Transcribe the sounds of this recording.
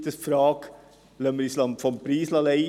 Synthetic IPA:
t̪əsfɾɑːk | lœmːəɾislɑmfɔmpɾiːslɑlɛɪ

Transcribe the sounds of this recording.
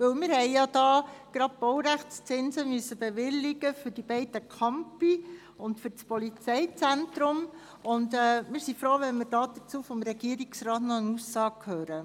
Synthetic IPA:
ʋɵwmɪɾhɛɪjɑd̥ɑːɡ̥ɾɑd̚b̥ɔʊɾæχtt͡st͡sɪnzəmyøəsːəbɛʋɪlːɪɡəfʏɾdibɛɪdəkʰɑmpi | ʊntfʏɾt͡spɔlit͡sɛɪt͡sæntɾʊm | ʊndɛːmɪːɾsifɾoːʋɛnmɪɾdɑːd̥ət͡suːfɔmɾɛɡ̥iəɾiksrɑːtnɔənusːɑːɡ̚kʰhøːɾə

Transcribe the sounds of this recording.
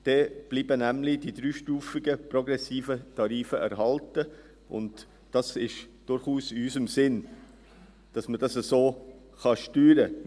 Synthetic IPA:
d̥ɛb̥liːbənæmlɪd̥id̥ɾyːʃtuːfɪɡəprɔɡɾɛsiːfətʰɑɾiːfəʔæɾɦɑltə | ʊ̰nd | d̥ɑsɪʃd̥ʊɾχuːsɪysəmsɪn | d̥ɑsməd̥ɑsəsoː | χɑʃtyːɾə

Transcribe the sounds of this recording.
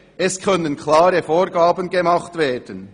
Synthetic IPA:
ʔɛskʰœnənkʰlaːɾəfoːɾɡaːbənɡemɑχtveːɐd̥ən

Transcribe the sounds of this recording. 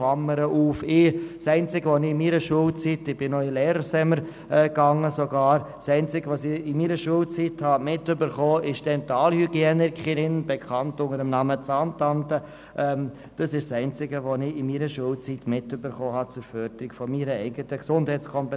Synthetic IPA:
ɑməɾəʔuːfɪsɛɪnt͡sɪɡəʋonɪmiːɾəʃuːəlt͡sitɪb̥ɪnɔɪleːɾəɾsɛməɾ | ɛɡɑŋːəsoɡɑːɾ | sɛɪnt͡sɪɡʋosɪɪmiːɾəʃuːəlt͡sithɑmɪtʏbəɾχoːɪʃd̥ɛntɑːlhyɡjenəɾkχiɪnb̥ekʰɑntʊŋəɾəmnɑmət͡santantə | ʔɛm | d̥ɑsɪʃsɛɪnt͡sɪɡəʋonɪɪmiːɾəʃuːlt͡sitmɪtøbəɾχoːɦɑt͡sʊɾfœɾdəɾɪɡ̥fɔmiːɾəɛɪɡətəksʊndhɛɪt͡skʰɔmpɛ

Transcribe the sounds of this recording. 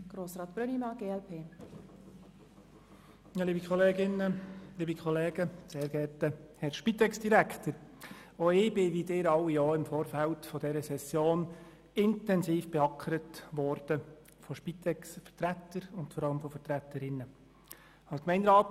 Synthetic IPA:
ɡ̥ɾoːsɾɑːt̪̚b̥ɾønimɑɡ̥eːɛlpʰeː | jɑːliːbikχɔleːɡɪnəliːbikχɔleːɡ̥əseːɾɡ̥ɛtəhɛɾʃpit̪ɛksd̥iɾækʰtəɾoɪːb̥ɪʋidɪːɾɑwijoːɪmfoːɾfæltfɔd̥ɛɾəsɛsjoːn | ɪntɛnsiːfb̥ɛɑkʰəɾətʋɔɾd̥ə | fɔʃpit̪ɛksfərtɾætːəɾʊntfɔɾɑləmfɔfəɾtɾæt̪ːəɾɪnːə | ɑskmɛɪndɾɑːt

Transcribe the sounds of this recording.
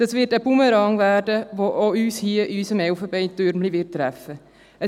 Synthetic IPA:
ɑsvɪtəbuməɾɑŋvæːɾdəʋoʔoyːshiəʔiysəmɛʊfəbɛɪtøɾmliʋɪttːɾæfːə | ə

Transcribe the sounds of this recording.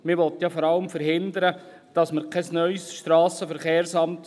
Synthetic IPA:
mɪʋɔt̪jɑfɔɾɑləmfəɾhɪnd̪əɾə | d̥ɑsməɾkʰɛsnœʏsʃtɾɑːsəfəɾχeːrsɑmt

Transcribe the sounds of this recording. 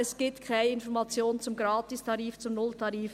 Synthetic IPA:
ɛsɡ̥iːp̚tkʰaɪnəɪnfɔɾmɑt͡sjoːnt͡sʊmɡɾɑːtɪstʰɑɾiːft͡sʊmnʊltʰɑɾiːf

